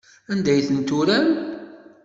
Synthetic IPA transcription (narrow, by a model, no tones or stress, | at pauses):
ænd̪æjθənt̪uɾæn